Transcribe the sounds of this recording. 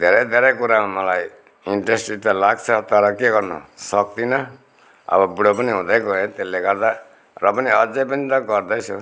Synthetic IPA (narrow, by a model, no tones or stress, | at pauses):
d̪ʱeɾʌjd̪ʱeɾʌjkuɾamamʌlaj | iɳʈresʈit̪alaɡt͡sʰʌt̪ʌɾʌkeɡʌrnʌ̰sʌk̚t̪inʌ | ʌ̰bʌbiɽopʌniɦũd̪ʌjkoet̪elːeɡʌɾd̪a | rʌpʌniʌd͡zejpʌnit̪ʌɡʌrd̪ʌjt͡sʰu